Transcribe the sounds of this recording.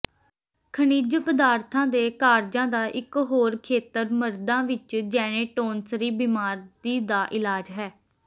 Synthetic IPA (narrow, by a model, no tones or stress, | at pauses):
kʰəniːd͡ʒpəd̪aːɾt̪ʰãːd̪eːkaːɾd͡ʒãːd̪aːʔɪkɦoːɾkʰeːt̪əɾməɾd̪ãːʋɪt͡ʃd͡ʒɛːɽ̃ẽːʈoːnsɾiːbiːmaːɾd̪iːd̪aːʔɪlaːd͡ʒɦɛː